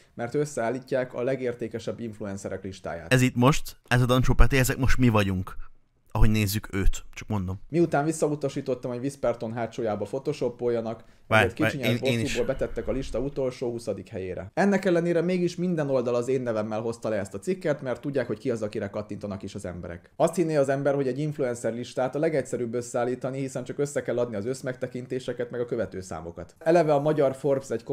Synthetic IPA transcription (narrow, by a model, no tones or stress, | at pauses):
mɛrt̪øsːɛaːlːiːcːaːkɒ̰lɛɡeːrt̪eːkɛʃɛbːiɱfluɛnsɛɾɛkliʃt̪a̰ːja̰ːt̪ɛzit̪mo̞ʃt̪ɛzɒd̪ɒnt͡ʃoːpat̪eɛzɛkmo̞ʃt̪mivɒɟuŋk | ɒɦo̞ɟneːzːykʰøːt̪t͡ʃɒkmo̞nd̪o̞mmiut̪aːnvisːɒut̪ɒʃiːt̪o̞t̪ːɒmho̞ɟvispɛrt̪o̞nɦaːt͡ʃoːjaːbɒfo̞t̪oʃo̞pːojːɒnɒk | et̪kit͡ʃiɲɛbosiboːlbɛt̪ɛt̪ːɛkɒliʃt̪ɒut̪o̞lʃoːhusɒd̪ikhɛjḛːɾɛ̰ɛnːɛkɛlːɛneːɾɛmeːɡiʃmind̪ɛno̞ld̪ɒlɒzeːnːɛvɛmːɛlɦo̞st̪ɒlɛɛst̪ɒt̪sikːɛt̪mɛrt̪ːuɟːaːkhockiɒzɒkiɾɛkɒt̪ːint̪onɒkiʃɒzɛ̰mbɛ̰ɾɛ̰kɒst̪hinːeːɒzɛmbɛrho̞ɟɛɟːiɱfluɛnsɛrliʃt̪aːt̪ɒlɛɡɛcsɛɾyːbːø̞sːɛaːlːiːt̪ɒnihisɛnt͡ʃɒkø̞sːɛkɛlːɒd̪niɒzø̞smɛkt̪ɛkint̪eːʃɛkɛt̪mɛɡɒkøvɛt̪øːsa̰ːmo̞̰kɒt̪ɛlɛvɛɒmɒɟɒrforbsɛcko